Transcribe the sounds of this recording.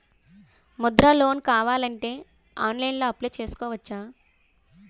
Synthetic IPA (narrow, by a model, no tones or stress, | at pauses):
mud̪ɾaːlo̞ːnkaːʋaːlɐɳʈe̞ː | aːnlɐjnloːɐpleːt͡ʃe̞ːsu̥kɔːʋɐt͡ʃːaː